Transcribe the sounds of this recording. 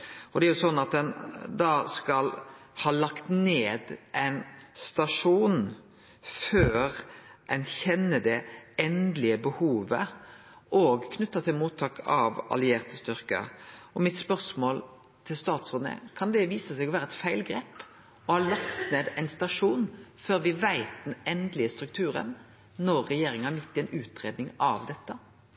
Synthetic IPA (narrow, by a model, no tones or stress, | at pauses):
ʔɔd̪ɛæɾjʊsɔnːɑt̪̚d̪ɛnd̪ɑːskɑl | hɑːlɑkt̪neːd̪ʔæɪnst̪ɑʂuːn | føːɾɛnçɛnːəd̪ɛɛnd̪lɪəbəhuːʋə | ʔɔɡkʰnʉt̪ːɑt̪ʰɪlmuːt̪ʰːɑːkʰɑʋɑ̰lɪeːʁt̪əst̪ʏʁkə̰ɔmɪt̪spœʁsmoːl | t̪ʰɪlst̪ɑːt̪sɑnə̰kʰɑnd̪ɛʋiːsəsɛɡɔʋæːɾəɛt̪fæɪlɡɾeːp | ɔhɑlɑkt̪neːd̪æɪnst̪ɑʂuːnføːɾʋɪʋæɪt̪̚d̪ɛnɛnd̪lɪəst̪ɾʉk̚t̪ʰʉːɾə̰n | nɔɾːɛjeːɾɪŋənhɑɾmɪt̪ʰːɪɛɪnʉːt̪ɾeːd̪nɪŋɑʋd̪ɛt̪ːə